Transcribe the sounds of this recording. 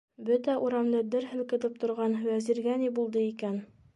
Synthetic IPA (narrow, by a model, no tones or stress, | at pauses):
bɵt̪æʔuɾɑmlɤd̪ɘɾɦɘ̆lkɘ̆t̪ɘp̚t̪ŏɾʁɑnwæziɾɡænibulˠd̪ɤikæn